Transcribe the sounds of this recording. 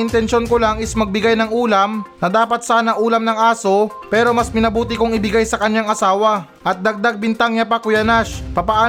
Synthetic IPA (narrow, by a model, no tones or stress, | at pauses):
ɪnt̪ɛnʃo̞nkolaŋɪsmɐɡ̚bɪɡajnɐŋuːlɐmnɐd̪aːpɐt̪̚saːnɐʔuːlɐmnɐŋʔaːso̞ | pɛːɾo̞mɐsmɪnɐbuːt̪ɪkʊŋɪbɪɡajsɐkɐɲːaŋɐsaːwɐ | ʔɐt̪̚d̪ɐɡ̚d̪aɡ̚bɪnt̪aŋɲapɐkʊjɐnaʃpɐpɐʔaː